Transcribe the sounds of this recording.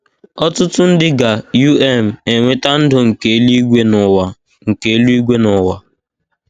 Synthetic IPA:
ɔ˦tʊ˦tʊ˦n̩˦dɪ˦ɡa˨ju˦ɛ˦m̩˨e˨ŋʷe˦ta˦n̩˦dʊ˨ŋ̩˨ke˨˦li˦ɡʷe˦n˨wa˨ | ŋ̩˨ke˨e˦lu˦i˦ɡʷe˦nɔ˨wa˨

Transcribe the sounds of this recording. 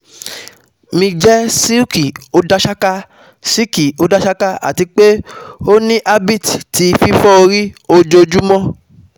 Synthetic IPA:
mĩ˧d͡ʒɛ˦si˦u˦ki˨o˨˦da˦ʃa˦ka˦ | si˦ki˨o˦da˦ʃa˦ka˦a̰˨ti˨˧k͡pe˦o˦nĩ˦ʔa˦bi˦˨tti˧fi˦fɔ˦o˧ɾi˦o˧d͡ʒo˧d͡ʒu˦mɔ̃˦

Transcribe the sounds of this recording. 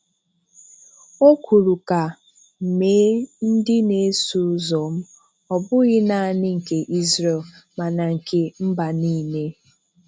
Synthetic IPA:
o˦kʰu˨ɾu˨ka˨ | m̩˨me˨˦n̩˦dɪ˦ne˨˦su˦zɔ˨m̩˦ | ɔ˨bʊ˦ɣɪ˦na˨a˨nɪ˦ŋ̩˨ke˨ʔi˦zɾe˨lma˨na˨ŋ̩˨ke˨m̩˦ba˨niː˦˨ne˦

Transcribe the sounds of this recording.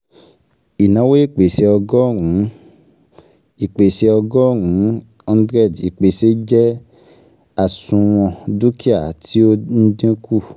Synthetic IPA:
i˨nã˨˦we˦e˦˨k͡pe˨se˧ɔ˧ɡɔ˦˨ŋũ˨˦ | i˨k͡pe˨se˧ɔ˧ɡɔ˦ŋũ˨˦ | ɔ̃˧n˦dɾɛ˦˨di˨k͡pe˨se˨˦d͡ʒɛ˦ | a˦˨sũ˧w̃ɔ̃˧du˦kʰi˦a˦˨tʰi˦o˦n̩˦dĩ˦kʰu˦˨

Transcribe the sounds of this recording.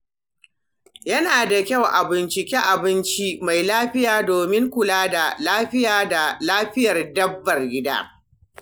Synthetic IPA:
jɐ˦naː˨da˨kʲɐ˦˨wʔa˨bɪ˦nt͡ʃɪ˨kʲɛ˦ʔa˨bɪ˦nt͡ʃi˦ma˨jlaː˦ɸɪ˦jaː˨doː˨mɪ˦ŋkʷʊ˨laː˦da˨laː˦ɸɪ˦jaː˦da˨laː˦ɸɪ˦jɐ˨rdɐ˦bːɐ˨rɡʲɪ˦da̰ː˦

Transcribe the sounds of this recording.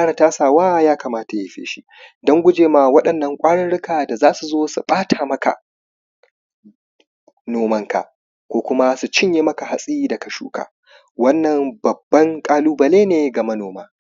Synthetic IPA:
kaː˦ɽa˨taː˦saː˨waː˦˨jaː˦kaː˨maː˦ta˨jɪ˦ɸḛː˦ʃi˦ | dɐ˦ŋɡʷʊ˦d͡ʒeː˨ma˨wɐ˦ɗɐ˨nːɐ˨ŋkʷʼaː˦ɽɐ˦nɽʊ˦kaː˨da˨zaː˦su˨zoː˦su˨ɓʼaː˦tʰaː˨mɐ˦ka̰˨ | noː˨mɐ˦ŋka̰˨ʔ | kʷoː˦kʷʊ˦ma˦su˨t͡ʃɪ˦ɲjeː˨mɐ˦ka˨ha˨sʼiː˦dɐ˨kɐ˨ʃṵː˦ka̰ː˨ | wɐ˦nːɐ˨mbɐ˨bːɐ˦ŋkʼaː˦luː˦bɐ˨leː˦neː˨ɡɐ˨mɐ˦noː˨maː˦

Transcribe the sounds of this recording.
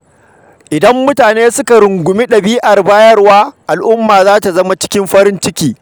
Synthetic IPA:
ʔɪ˨dɐ˦mːʊ˦taː˨neː˦sʊ˦ka˨ɾʊ˨ŋɡʷʊ˨mi˦ɗɐ˨biː˦ʔɐ˨rbaː˦jɐ˦rwaː˦ʔa˨lʔʊ˦mːaː˨zaː˦ta˨zɐ˦ma˨t͡ʃɪ̥˦kʲɪ˦mɸɐ˦ɾɪ˦nt͡ʃɪ˦kʲiː˨

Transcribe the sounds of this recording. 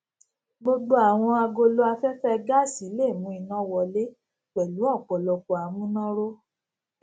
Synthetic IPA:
bo˧ɡ͡bo˦a˦˨w̃ɔ̃˧a˧ɡo˧lo˦a˧fɛ˦fɛ˦ɡa˦˨si˨˦le˦˨mũ˨˦i˨nã˨˦wɔ˨le˦ | k͡pɛ˨lu˨˦ɔ˦˨k͡pɔ˨lɔ˨kɔ˨a˨mũ˦nɔ̃˦ɾo˦

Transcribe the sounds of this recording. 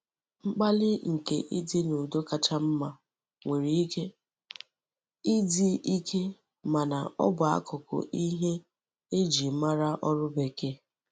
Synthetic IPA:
ŋ͡m̩˦k͡pa˦lɪ˦ŋ̩˨kḛ˨ʔɪ˦dɪ˦nʊ˨do˦ka˨tʰa˦m̩˦ma˦ | ŋʷe˨ɾi˨i˦ke˦ | ɪ˦di˦i˦kʰe˦ | ma˨na̰˨ɔ̰˦bʊ˨a̰˦kʰʊ˨kʊ̰˨ʔi˦ɦe˦ | e˦d͡ʒi˨˦ma˦ɾa˦ʔɔ˦ɾʊ˦be˨ke˦

